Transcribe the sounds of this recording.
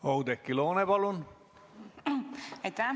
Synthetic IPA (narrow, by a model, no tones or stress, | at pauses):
owd̪ekːiloːnepɑlun | et̪a